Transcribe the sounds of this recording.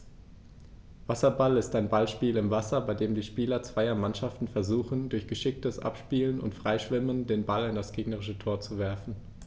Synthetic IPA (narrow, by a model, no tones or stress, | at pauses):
v̥asɐbalɪstaɪnbalʃpiːlɪmvasɐbaɪdeːmdiːʃpiːlɐt͡sv̥aɪɐmanʃaftn̩fɛɐzuːxn̩dʊɐçɡ̥əʃɪk̚təsʔa̰pʃpiːlənʊ̰ntfʁ̥aɪʃv̥ɪməndeːnbalɪndasɡ̥eːɡnəʁɪʃətʰoːɐt͡suvɛɐfn̩